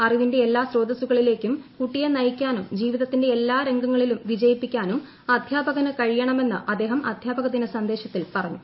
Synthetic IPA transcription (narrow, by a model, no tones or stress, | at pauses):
ɐriʋinde̞elːaːsro̞ːd̪ɐsuɣɐɭile̞ːkʲːumkuʈːijɐnɐjikʲːaːnumd͡ʑiːʋiðɐt̪ːinde̞elːaːɾe̞ŋɡɐŋːɐɭilumʋid͡ʑɐjipːikʲːaːnum | ɐd̪ʱjaːbɐɣɐnɨkɐɻijɐɳɐme̞nːɨ̰ʔɐd̪ːe̞ːɦɐmʔɐ̰d̪ʱjaːbɐɣɐt̪̬ːinɨsɐnd̪e̞ːɕɐt̪ːilpɐrɐɲːu